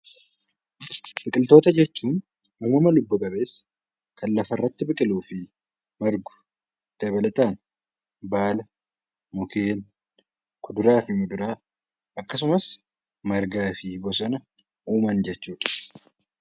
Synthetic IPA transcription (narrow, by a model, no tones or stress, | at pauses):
b̥ɪkʼɪlt̪o̞ːt̪ɐd͡ʒɛt͡ʃːuːn | umɐmɐlʊbːʊkʼɐbe̞ːs | kʰɐnlɐfɐrːɐt̪ːɪbɪkʼɪluːfɪ | mɐɾɡʊ̥ | d̪̥ɐβɐlɐt̪aːn | baːlɐ | mʊkʰeːn | kʰʊd̪ʊɾaːfɪmʊd̪ʊɾaː | ʔɐkːɐs̬ʊmɐs | mɐɾɡaːfɪbɔsɔnɐ | ʔuːmɐnd͡ʒɛt͡ʃːuːᶑɐ̥